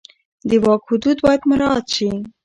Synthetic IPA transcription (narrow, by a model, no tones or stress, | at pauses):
d̪əwɑkhʊd̪ud̪bɑjad̪mʊɾɑt̪ʃi